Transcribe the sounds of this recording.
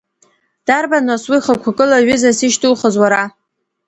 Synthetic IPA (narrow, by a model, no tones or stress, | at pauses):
d̥arbanoswiχakʷʰakʼɨlaɥʏzasiʃtʰʼulχəzwaɾa